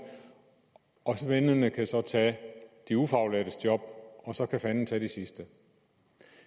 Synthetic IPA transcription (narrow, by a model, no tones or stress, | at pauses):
ʔɒ̽sʋenənəkʰæsɒ̽t͡sʰɛd̥iufɑ̈ʊlæd̥əsd̥jɒ̽b̥̚ɒ̽sɒ̽kʰæfænn̩t͡sʰæd̥isisd̥ə